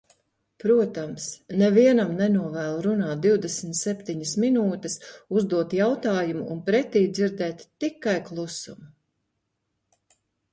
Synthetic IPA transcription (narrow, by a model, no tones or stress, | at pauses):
pɾuɔt̪amsnɛviɛnamnɛnuɔvæːlˠɾunaːt̪̚d̪iwd̪ɛsmt̪sɛpt̪iɲəsminuːt̪ɨsuzd̪uɔt̪jawt̪aːjumuunpɾɛt̪iːd̪ziɾd̪ɛːt̪ːikajklˠusṵmu